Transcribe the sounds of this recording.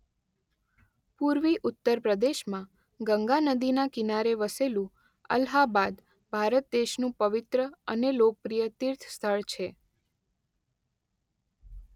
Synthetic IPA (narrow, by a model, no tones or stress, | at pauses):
puɾʋiʔʊt̪ːəɾpɾəd̪eʃmã | ɡəŋɡanəd̪inakinaɾeʋəselũ | ə̰lɦabad̪ | bʱaɾət̪̚d̪eʃnũpəʋɪt̪ɾəənelok̚pɾijət̪iɾt̪ʰst̪ʰəɭt͡ʃʰe